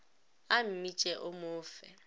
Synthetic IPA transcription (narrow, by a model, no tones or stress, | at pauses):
am̩mit͡ʃʼɛʔʊmʊːfɛ̰